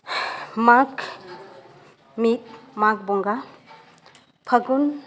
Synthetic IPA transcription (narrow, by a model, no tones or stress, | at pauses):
makʰ | mit̚mak̚bɔŋɡa | pʰaɡun